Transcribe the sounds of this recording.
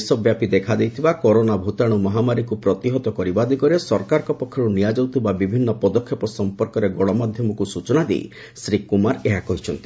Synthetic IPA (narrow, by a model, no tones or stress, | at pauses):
sɔbjapid̪ekʰad̪ejt̪ʰibakɔɾonabʱut̪aɽ̃ɔmɔɦamaɾikupɾɔt̪iɦɔt̪ɔkɔɾibad̪ikɔɾesɔɾkaɾɔkɔpɔkʰːjɔɾunijad͡ʒɔwt̪ibabibʱinːɔpɔd̪ɔkʰːjɔpɔsɔmpɔɾkɔɾeɡɔɽɔmad̪ʱjɔmɔkusut͡ʃɔnad̪ḛj̰ | sɾikumaɾeɦakɔɦit͡ʃʰɔnt̪i